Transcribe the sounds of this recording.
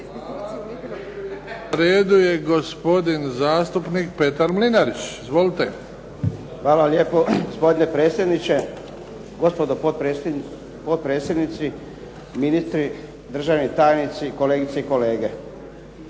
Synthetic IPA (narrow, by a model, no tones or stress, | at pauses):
naɾeːd̪ujeɡospo̞d̪inzaːst̪upnik̚pe̞t̪aɾmlinaɾit͡ɕizʋolit̪e | xʋaːlalje̞ːpoɡospo̞d̪inepɾet̪sje̞d̪nit͡ɕe̞ | ɡo̞spod̪oo | pot̪̚pɾe̞ːt̪sje̞d̪nit̪si | minist̪ɾi | d̪r̩ʒaʋnit̪aːjnit̪siko̞le̞ːɡit̪seiko̞le̞ːɡe̞